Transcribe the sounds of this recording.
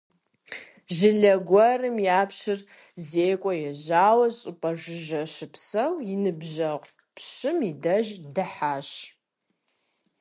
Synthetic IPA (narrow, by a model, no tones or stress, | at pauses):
ʒɪɮɐɡʷɐrɨmjaːpɕɪr | zeːkʷʼɔjɛʑaːwɐɕʼʊpʼɐʒɨʒɐʃɨpʰsɐwinɨbʒɐqʷʼ | pʰɕɨmidɐʒdɨħaːɕ